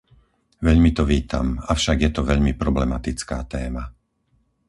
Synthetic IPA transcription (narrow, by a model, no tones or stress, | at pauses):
ʋɛʎmit̪ɔʋiːt̪ʰa̰mafʃaɡjɛt̪ɔʋɛʎmipɾɔblɛmat̪it͡ska̰ːt̪ɛːma